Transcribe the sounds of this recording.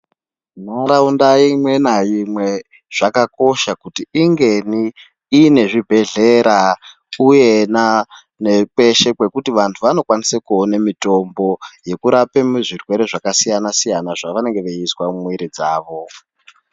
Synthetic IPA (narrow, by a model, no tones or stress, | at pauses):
n̤aɾaundaimwe̞najimwe̞ | ʐ̥akako̞ʃakutiːŋɡe̞niː | ne̞ʐibʱe̞ɮe̞ɾa | uje̞na | ne̞pwe̞ʃe̞kwe̞kutiʋantʰuʋano̞kwanisekuonemito̞mbo̞je̞kuɾapemuʐirwe̞ɾe̞ʐakasijanasijanaʐaʋane̞ŋɡe̞ʋeiswamwiɾid͡zaːʋo̞